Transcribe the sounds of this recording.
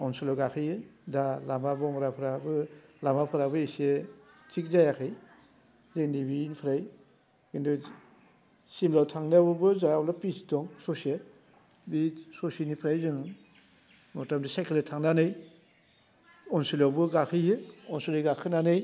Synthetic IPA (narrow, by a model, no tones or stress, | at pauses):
ɔnsilɔɡakʰɯjɯdalamabɔɔŋɾapʰɾabɯlamapʰɯɾabɯise | t͡ʃik̚zajakʰɯj | zɯŋnibiːnpʰɾaj | kindu | simlawtʰaŋnabɯbɯzaɔlapisitɔŋsɔsie | bisɔsenipʰɾajzɯŋ | mɔtamdisajkʰiletʰaŋnanɯj | ɔnsilabɯɡakʰɯjɯɔnsuliɡakʰɯnanɯj